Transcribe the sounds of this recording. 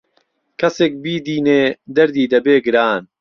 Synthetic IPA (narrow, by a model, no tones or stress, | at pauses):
kʰɐseːk̚biːd̪iːneːd̪ɐɾd̪iːd̪ɐbeːɡɨɾaːn